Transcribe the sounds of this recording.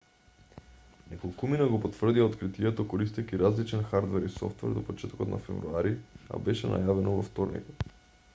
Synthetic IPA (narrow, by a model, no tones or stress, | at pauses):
nɛkolˠkuminaɡɔpot̪v̥ər̩d̪iaot̪kɾit̪iɛt̪okoɾist̪ɛkʲiɾazlit͡ʃɛnxaɾd̪vɛɾisɔ̰ft̪vɛ̰ɾd̪ɔpɔt͡ʃɛt̪ɔ̥kɔt̪nʔa̰fɛ̰vɾuaɾia̰bɛʃɛna̰javɛnɔvɔft̪ɔɾnḭkot̪